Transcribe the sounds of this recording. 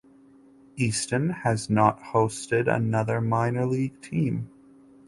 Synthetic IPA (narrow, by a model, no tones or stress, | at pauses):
istɨ̃nɨznət̚hoʊstɪɾə̰nʌðə˞mãɪ̃nə˞liɡ̥̚tʰĩm